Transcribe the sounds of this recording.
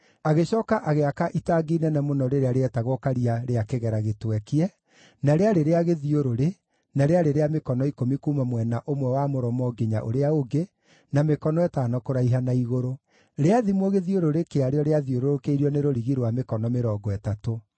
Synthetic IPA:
aɣeɕɔːkaʔaɣeakaʔitaːɡinɛnamonɔɾeɾeaɾeɛtaɣwɔkaɾiaɾeakeɣɛɾaɣetwɛkeɛ | naɾeaɾeɾeaɣeðioɾoɾe | naɾeaɾeɾeamekɔnɔikomikuːmamwɛnaʔomwɛwamoɾɔmɔɡeɲaʔo̰ɾeaoɡe | namekɔnɔɛtaːnɔkoɾaiɦanaiɣoɾo | ɾeaðimwɔɣeðioɾoɾekeaɾeɔɾeaðioɾoɾokeiɾiɔneɾoɾiɣiɾwamekɔnɔmeɾɔːɡɔɛtato

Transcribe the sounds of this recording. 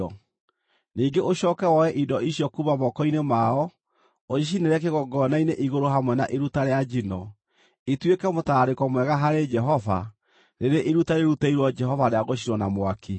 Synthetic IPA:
ɔ | niːŋɡeʔoɕɔːkɛwɔɛʔidɔʔiɕjɔkumamɔkɔinemaɔ | oiʃ̬ineɾɛk̬eɣɔɡɔnaineʔiɣoɾoɦamwɛnaʔeɾutaɾead͡ʒinɔ | etwekɛmotaːɾekɔmwɛɣaɦaɾed͡ʒɛɦɔva | ɾeɾeʔeɾutaɾeɾutaiɾwɔd͡ʒɛɦɔvaɾeaɣoɕiɾwɔnamwakʰi

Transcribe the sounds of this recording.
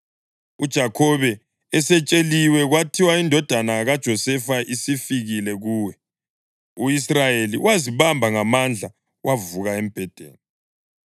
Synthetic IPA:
ṵd̥ʒ̥ʱakʰɔβɛː | sɛt͡ʃʼeliwɛɣwatʰiwaindʱɔd̥ʱanaɣad̥ʒ̥ʱɔsɛfaʔisifiɣilɛɣuːwɛ | uisrajelḭwaziβambʱaŋamand͡ɮʱa | wʔavuɣaem̩b̥ʱɛd̥ʱḛːni

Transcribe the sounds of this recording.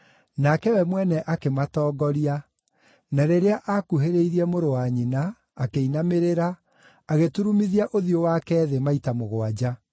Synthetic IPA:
nakɛwɛmwɛnɛʔakematɔːɡɔɾia | naɾeɾeaʔakuɦeɾeiɾiɛmoɾowaɲinaː | keinameɾeɾa | aɣetuɾumiðiaʔoðiowakɛːðemaitamoɣwad͡ʑa

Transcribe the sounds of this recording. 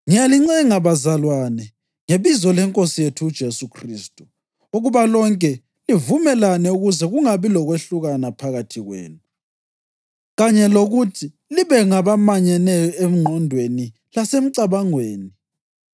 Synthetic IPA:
ŋijaliŋ͡ǀɛŋaβazalwanɛ | ŋeβizɔlɛŋkʼosijetʰud̥ʒ̥ʱesukʰriːstʼu̥ | oɣuβalɔŋkʼɛ | livumɛlanɛuɣuzɛɣuŋaβilɔɣweɬuɣanapʰaɣatʰiɣwḛːnu | ɣaɲɛloɣutʰi | liβɛŋaβamaɲɛnɛjɔem̩ŋ͡ǃʱɔndʱweni | lasem̩ǀaβaŋweːni

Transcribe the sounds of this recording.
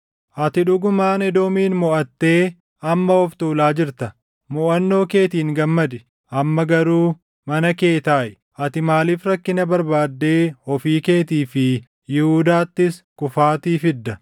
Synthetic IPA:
ʔɐt̪ɪᶑʊɡʊmaːnɛd̪o̞ːmiːnmɔʔɐt̪ːe̞ː | ɐmːɐɔft̪uːlaːd͡ʒɪɾt̪ɐ | mɔʔɐnːo̞ːke̞ːt̪iːŋɡɐmːɐd̪ɪ | ʔɐmːɐɡɐɾuː | mɐnɐke̞ːt̪aːʔɪ | ʔɐt̪ɪmaːliːfɾɐkːɪnɐbɐɾbaːd̪ːe̞ːhɔfiːke̞ːt̪iːfɪ | jɪhud̪aːt̪ːɪskʊfaːt̪iːfɪd̪ːɐ

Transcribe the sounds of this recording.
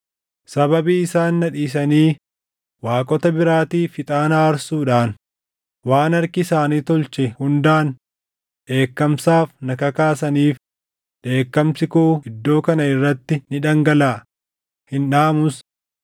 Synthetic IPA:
sɐbɐbiːɪsaːnːɐᶑiːs̬ɐniː | waːkʼɔt̪ɐbɪɾaːt̪iːfɪt̪ʼaːnaːɾsuːᶑaːn | waːnɐɾkɪɪsaːniːt̪ɔlt͡ʃɛhʊnd̪aːn | ᶑe̞ːkːɐmsaːfnɐkɐkaːsɐniːf | ᶑe̞ːkːɐmsɪkuɪd̪ːo̞ːkɐnɐɪrːɐt̪ːɪnɪᶑɐŋɡɐlaː | hɪnᶑaːmʊs

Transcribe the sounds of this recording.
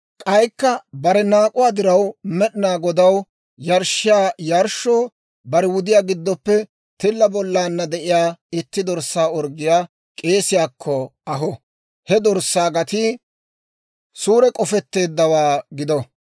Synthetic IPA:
kʼɐjkːɐbɐɾɛnaːkʼʊwaːd̪ɪɾɐwmɛɗɪnaːɡɔd̪ɐw | jɐɾʃɪjaːjɐɾʃoː | bɐɾɛwʊd̪ɪjaːɡɪd̪ːɔpːɛ | t̪ɪlːɐbɔlːaːnːɐd̪ɛʔɪjaːɪt̪ːɪd̪ɔɾsaːɔɾɡɪjaː | kʼe̞ːsɪjaːkʰːɔɐɦɔ | hɛd̪ɔɾsːaːɡɐt̪i | suːɾɛkʼɔfɛt̪ːe̞ːd̪ːɐwaːɡɪd̪ɔ

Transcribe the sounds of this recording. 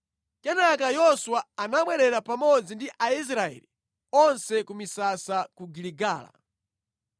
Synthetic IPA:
kɛnakajɔsuwaːnaɓwɛɾɛɾapamɔd͡zindiʔais̬ɾaɛ̰li | ɔnsɛkumisasakuɡiliɡaːla̰

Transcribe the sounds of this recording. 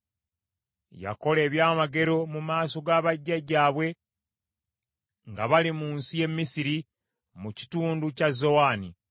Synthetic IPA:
ja̰ko̞le̞ːβjaːmaɡe̞ɾo̞mumaːso̞ɡaːβaɟːaɟːaːβwe̞ | ŋɡaβalimuːnsije̞mːisiɾi | muci̥tuːnducazːo̞waːni

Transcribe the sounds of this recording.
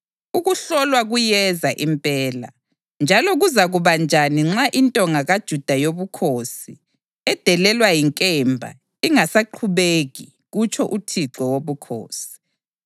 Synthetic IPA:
uɣuɬɔlwaɣujɛzaʔimpʼɛːla̰ | nd͡ʒʱalɔɣuzaɣuβand͡ʒʱaniŋ͡ǁaʔintʼɔŋaɣad̥ʒ̥ʱud̥ʱajoβukʰosi | ɛd̥ʱɛlɛlwajiŋkʼɛmbʱa̰ | iŋasaǃʰuβeɣi | ɣut͡ʃʰʼɔʔutʰiǁɔwoβukʰo̰ːsi̥

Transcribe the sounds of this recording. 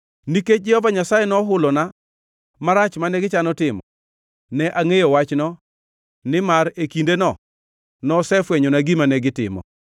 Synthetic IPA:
niket͡ʃd͡ʒɪɔvaɲasajɛnɔɦʊlɔna | maɾat͡ʃmanɛɡɪt͡ʃanɔtɪmɔ̰ | nɛʔaŋejowat͡ʃnɔ | nɪmaɾekindenɔ | nɔsɛfwɛɲɔnaɡimanɛɡɪtɪ̰mɔ̰

